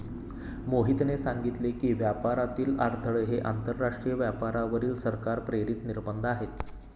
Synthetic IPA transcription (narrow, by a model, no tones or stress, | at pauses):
moɦit̪nesaŋɡit̪lekiːʋjapaɾat̪iːlaɾt̪ʰəɭəɦeʔa̰nt̪əɾːaʂʈɾijəʋjapaɾaʋəɾiːlsəɾkaɾpɾeɽit̪niɾbənd̪ʱaɦet̪